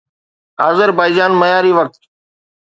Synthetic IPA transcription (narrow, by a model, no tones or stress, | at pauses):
aːzəɾbaːɪd͡ʒaːnməjaːɾiːʋək̚t̪